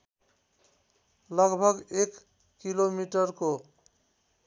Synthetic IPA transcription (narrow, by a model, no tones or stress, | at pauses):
lʌɡbʱʌɡekː | ilomiʈʌɾko